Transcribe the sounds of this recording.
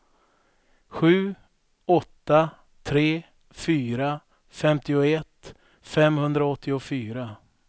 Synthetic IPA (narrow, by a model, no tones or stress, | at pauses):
ɧʉ̟ː | ɔt̪ːa | t̪ʰɾeː | fyːɾa | fɛmt̪ɪʊɛt̪ː | fɛmhɵnd̪ɾaɔt̪ʰːɪʊfyːɾa